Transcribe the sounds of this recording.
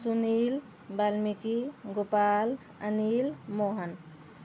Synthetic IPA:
sunil | balmikiɡopal | ə̰nilmoɦən

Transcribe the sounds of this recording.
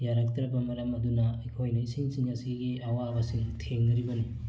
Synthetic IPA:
jaɾɐk̚t̪ɾɐpːɐmɐɾɐmɐd̪unɐikʰojnɐisiŋsiŋɐsiɡiɐwabɐsiŋtʰeŋnɐɾibɐni

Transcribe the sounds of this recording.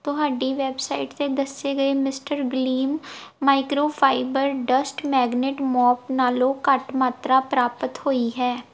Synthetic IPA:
t̪ʊɦaːɖiːʋɛːbsaːɪʈt̪ed̪əseɡəemɪsʈəɾɡliːmːaːɪkɾoːpʰaːɪbəɾɖəsʈmɛːɡneːʈmɔːpnaːlõːkəʈmaːt̪ɾaːpɾaːpət̪hoːiɦɛː

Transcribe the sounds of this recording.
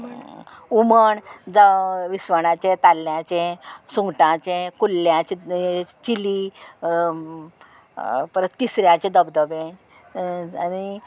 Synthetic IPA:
uməɳd͡zaʋisʋəɳãt͡ɕẽt̪alːjãt͡ɕẽsũŋɡʈãt͡ɕẽkulːjãt͡ɕet͡ɕili | pəɾət̪t̪isɾjãt͡ɕẽd̪əbd̪əʋẽ | ani

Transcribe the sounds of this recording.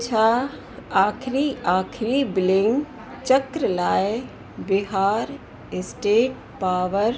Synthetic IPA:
t͡ʃʰa | aːkʰɾiaːkʰɾibɪlɪ̃ŋɡ | t͡ʃəkɾəlaːj | bɪɦaːɾ | esʈeːʈ̚ | paːʋəɾ

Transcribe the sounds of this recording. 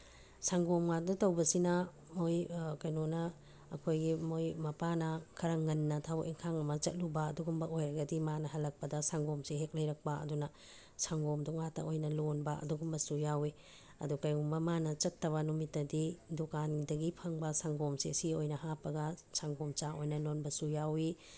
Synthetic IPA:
saŋɡomŋadɐtɐwbɐsinɐ | mojkɐjnonɐ̰ː | kʰojɡimojmɐpanɐkʰɐɾɐŋɐnːɐtʰabɐkiŋkʰaŋɐmɐt͡ʃɐt̚lubɐːduɡumbɐʔojɾɐɡɐdimanɐɦɐlɐk̚pɐdɐsaŋɡomseɦek̚lɐjɾɐk̚pɐɐ̰dunɐ | saŋɡomdɔŋatɐ̰ʔojnɐlonbɐɐ̰duɡumːɐsujawe | ɐ̰dukɐjɡumbɐmanɐt͡ʃɐtːɐβɐnumitːɐdidokandɐɡipʰɐŋbɐsaŋɡomsesiojnɐhapɐɡɐsaŋɡomt͡ʃaʔojnɐlonbɐsujawi

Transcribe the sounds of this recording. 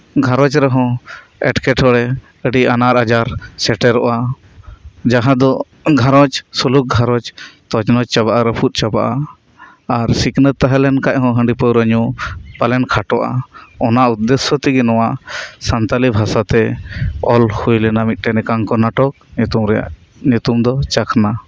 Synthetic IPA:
ɡʱaɾɔt͡ʃɾɛɦɔ̃ | ɛ̰ʈkɛʈʰɔɽɛ | əɖianaɾad͡ʒaɾsɛʈɛɾɔʔa | d͡ʒaɦãd̪ɔ | ɡʱaɾɔt͡ʃsuluk̚ɡʱaɾɔt͡ʃt̪ɔd͡ʒnɔt͡ʃt͡ʃabaʔaɾɛpʰut̪̚ˀt͡ʃabaʔaː | ɾsiknət̪aɦɛlɛnkac̚ɦɔ̃ɦə̃ɳɖipəwɾəɲupalɛnkʰaʈɔʔa̰ɔnaʔud̪ːɛsɔt̪iɡɛnɔwaʔsant̪alibʱasat̪ɛɔlhujlɛnamit̪̚ˀʈɛnɛkaŋkɔnaʈɔk̪̚umɾɛa̰ʔ | ɲut̪umd̪ɔt͡ʃakʰna

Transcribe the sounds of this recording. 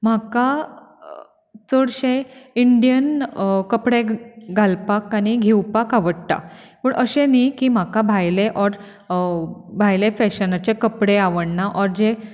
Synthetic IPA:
m̤aka | t͡səɽɕeiɳɖijənkəpɽeɡʱalpakañiɡʱewpakaʋəɽʈ̪a̰pəɳʔəɕenikiːm̤akabʱajleʔɔɾ | bʱajlefɛɕənat͡ɕekəpɽeaʋəɳnaʔɔɾd͡ʑe

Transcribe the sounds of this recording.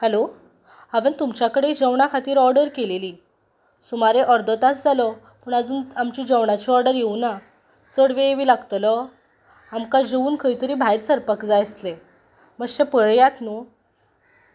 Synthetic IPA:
həlo | aʋənt̪umt͡ɕjakəɽed͡ʑəʋɳakʰat̪iːɾɔɾɖəɾkeleliː | sumaɾeʔɔɾd̪ɔt̪at͡sd͡zʱalɔ | pəːɳəd͡zuːnamt͡ɕiːd͡ʑəʋɳat͡ɕiɔɾɖəɾjeuna | t͡səɽʋeeʋiːlaɡt̪lɔ | amkad͡ʑeʋuːnkʰəjt̪əɾiːbʱajɾsəɾpəkd͡zajəsle | məɡɕepəɭjat̪nu

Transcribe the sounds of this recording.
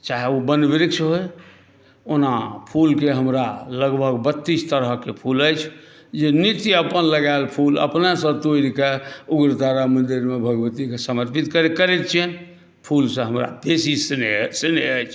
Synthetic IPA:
t͡ʃaɦeubənbiɾiksɦoj | onapʰulkeɦəmɾaləɡbʱəɡbət̪ːist̪əɾəɦkepʰuləjt͡ʃʰ | d͡ʒenit̪iəpənləɡalpʰulə̰pnesə̃bt̪oiɾkeuɡɾət̪aɾamə̃nd̪iɾmebʱəɡəʋət̪ikesəməɾpit̪kəkəɾet̪t͡ʃʰien | pʰulsə̃ɦəmɾa̰besissineəjt͡ʃʰ

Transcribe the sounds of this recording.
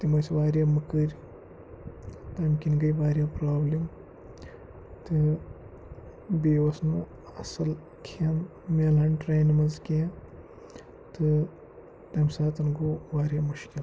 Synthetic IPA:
t̪imɐsʋaːɾʲjaːmɨkɨɾʲ | t̪ɐmʲkʲinɡɐjʋaːɾʲjaːpɾaːblim | t̪ɨ | beːʋɐsnu | ɐsɐl | kʰen | melɐɳʈɾeːnimɐzkʲe | t̪ɨ | t̪ɐmʲsaːt̪ɐnɡoːʋaːɾʲjaːmuʃkʲil

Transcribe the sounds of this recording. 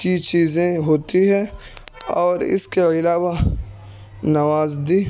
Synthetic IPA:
kit͡ʃiːzẽɦoːt̪iɦɛ̃ | ɔːɾɪ̰skeɪlaːwa | nɐwaːzd̪iː

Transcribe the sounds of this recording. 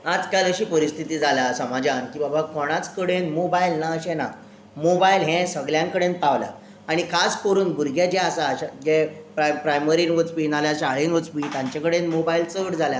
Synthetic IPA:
ad͡zkaləɕiːpəɾist̪ʰit̪iːd͡zʱalasəmad͡ʑankiːbabakɔɽ̃at͡skəɽenmobailnaəɕena | mobailɦẽsəɡljãŋkəɽent̪aʋlja̰ | aɽ̃ikʰaskoɾuːnbuɾɡad͡ʑeasaːɕad͡ʑepɾpɾajməɾinʋot͡spinaljaɕaɭinʋot͡spiːt̪jãɲt͡ɕakəɽenmobailt͡səɽd͡zʱalja

